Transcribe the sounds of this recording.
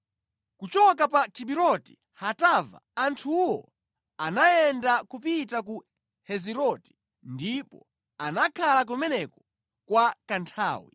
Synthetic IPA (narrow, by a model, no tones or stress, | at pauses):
kut͡ʃɔkapakʰiɓiɾɔti̥ | hatava̰antʰuwɔ̰ | anaɛndakupitak̬u | hɛziɾɔti̥ | ndipɔ̰ | anakʰalak̬umɛnɛkɔ̥ | kwakantʰa̰ːwḭ